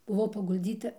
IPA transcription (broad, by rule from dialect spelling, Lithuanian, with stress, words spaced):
bʊˈʋɐʊ pɐɡʊlʲˈd͡zʲiːtɐ